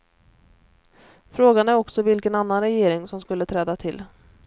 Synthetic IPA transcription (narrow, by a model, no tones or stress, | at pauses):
fɾoːɡanæɾɔksɔvɪlkənanːanɾɛjeːɾɪŋsɔmskɵlːət̪ʰɾɛːd̪at̪ʰɪlː